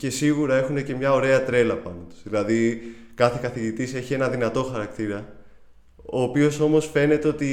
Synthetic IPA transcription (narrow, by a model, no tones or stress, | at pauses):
ce̞siɣuɾɐe̞xune̞ce̞mɲɐo̞ɾe̞ɐt̪ɾe̞lɐpɐnot̪u̥zðilɐðikɐθe̞kɐθiʝit̪ise̞çie̞nɐðinɐt̪o̞xɐɾɐkt̪iɾɐ | o̞ːpio̞so̞mo̞sfe̞net̪eo̞t̪i